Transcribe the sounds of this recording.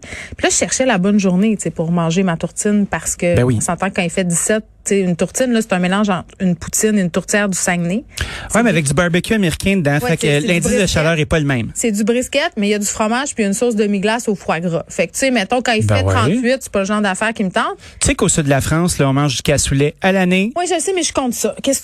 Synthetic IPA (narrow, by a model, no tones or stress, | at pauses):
pilʌʒəʃɛʁʃɛlabɔnʒuʁnet͡sepʊʁmɑ̃ːʒemat̪uʁt͡sɪnpaʁ̥sə̥kʲəbɛwiɔ̃sɑ̃t̪ɑ̃kɑ̃ifɛd̪isɛt̪̚t͡seynt̪uʁtt͡sɪnlʌse̥t̪œ̃melɑ̃ʒɑ̃ːt̪χynpu̥t͡sɪnːnt̪ʊʁt͡s̪jɛːʁd̪ysɛŋnewɛmɛavɛk̚d̪ybaʁbɛkʲʰyameʁikʲɛ̃d̪ãwfɛklɛ̃dd͡zɪsd̪əʃalœːʁɛpɔləmɛ̃ɪ̃msɛd̪ybʁiskʲɛt̪̚mɛjad̪zyfχɔmaʒ̥pijynsʊʁs̬d̪əmiɡlasofχwaɡʁɔfɛk̚t̪semɛ̃t̪ɔ̃kɑ̃ifbɛɛt̪χɑ̃t̪ɥɪt̪se̥pʌləʒɑ̃ʁd̪afɛːʁkʲimət̪ɑ̃t̪t̪y̥sekoːsyd̪lafʁɑ̃ːslɔɔ̃mɑ̃ʒʒy̥kasulɛalanewɛʒəsemɛʒkɔ̃t̪sɔkʲɛs